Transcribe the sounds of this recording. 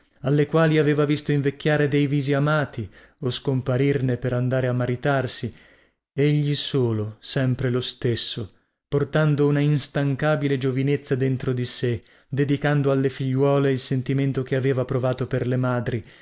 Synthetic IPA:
alːekwaːliaveːvavist̪oiɱvekʲːjaːɾed̪ejviːziamaːt̪i | oskompaɾirnepeɾand̪aːɾeamːaɾit̪arsi | eʎːisoːlosɛmpɾelost̪esːo | port̪and̪ounainst̪aŋkaːbiled͡ʒovinet̪sːad̪ent̪ɾod̪ise | d̪ed̪ikand̪oalːefiʎːwɔːleilsent̪iment̪okeaveːvapɾovaːt̪operlemaːd̪ɾi

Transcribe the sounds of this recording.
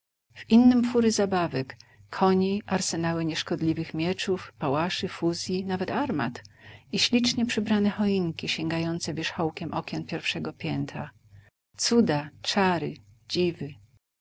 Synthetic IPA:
v̥inːɘmfuɾɘzabavɛkʰːɔɲiʔaɾsɛnawɘɲɛʂkɔd̪lʲivɘxmʲjɛt͡ʂufpawaʂɘfuzʲjinavɛt̪aɾma̰t̪iɕlʲit͡ʂɲɛpʂɘbɾanɛxɔiŋkʲiɕɛŋɡajɔnt̪sɛvʲjɛʂxɔwkʲɛmʔɔkʲɛnpʲjɛɾfʂɛɡɔpʲjɛnt̪ɾa̰ | t̪sud̪at͡ʂaɾɘ | d͡ʑivɘ

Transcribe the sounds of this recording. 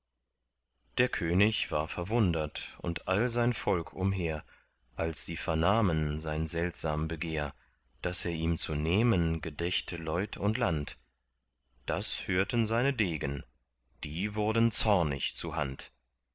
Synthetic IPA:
d̥eːɐkʰøːnɪçv̥aːɐfɛɐvʊndɐtʊ̰ntʔalzaɪnfɔlkʰʊ̰mɦeːɐ | ʔalsz̥iːfɛɐnaːmənzaɪnzɛltz̥aːmbəɡeːɐ | d̥aseːɐʔiːmt͡suneːmənɡədɛçtʰəlɔʏtʰʊntlant | d̥ashøːɐtənzaɪnədeːɡən | d̥iːvʊɐdn̩t͡sɔɐnɪ̰çt͡suɐɦa̰nt

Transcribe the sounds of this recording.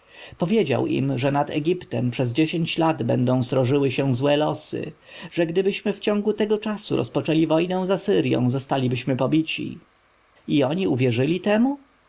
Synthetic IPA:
pɔvʲjed͡ʑa̰wḭmʐɛnad̪ɛ̰ɡʲipt̪ɛmpʂɛzd͡ʑeɕeɲt͡ɕlad̪bɛ̰nd̪ɔ̃w̃st̪ɾɔʐɘwɘɕɛw̃zwɛlɔsɘ̰ | ʐ̥ɛɡd̪ɘbɘɕmɘft͡ɕɔ̃ŋɡut̪ɛɡɔt͡ʂasuɾɔ̰spɔt͡ʂɛlʲivɔjnɛ̃w̃zasɘɾjɔ̰̃w̃zɔst̪alʲibɘɕmɘpɔbʲit͡ɕḭ | iɔɲiuvʲjɛʐɘlʲit̪ɛmu

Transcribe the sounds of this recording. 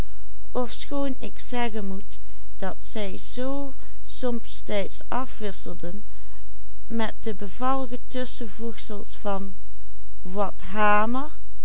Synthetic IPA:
ɔfsxoːnɪksɛɣənmut | d̥ɑtsɛjz̥oː | sɔmpstɛjtsʔɑfʋɪsəlˠdən | mɛt̚d̥əbəvɑlˠəɣətɵsəvutsəlˠsfɑn | ʋɑtɦaːməɹ

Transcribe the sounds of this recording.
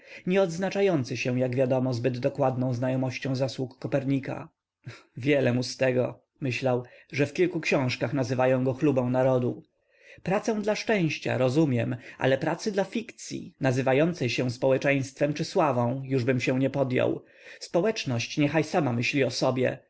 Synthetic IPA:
ɲɛɔd̪znat͡ʂajɔnt̪sɘɕɛ̃jaɡvʲjad̪ɔmɔzbɘd̪ːɔkwad̪nɔ̃w̃znajɔmɔɕt͡ɕɔ̃w̃zaswukːɔpɛɾɲika̰ | vʲjɛlɛmust̪ɛɡɔ̰ | mɘɕlawʐɛfkʲilkukɕɔ̃w̃ʂkaxnazɘvajɔ̃w̃ɡɔxlubɔ̃w̃naɾɔd̪u | pɾat̪sɛ̃w̃d̪laʂt͡ʂɛ̃w̃ɕt͡ɕa̰ɾɔzumʲjɛmʔa̰lɛpɾat̪sɘd̪lafʲikt̪sʲjḭnazɘvajɔnt̪sɛjɕɛw̃spɔwɛt͡ʂɛj̃st̪fɛmt͡ʂɘswavɔ̃w̃juʐbɘmɕɛw̃ɲɛpɔd̪ja̰w | spɔwɛt͡ʂnɔɕt͡ɕɲɛxajsamamɘɕlʲiɔsɔbʲjɛ̰

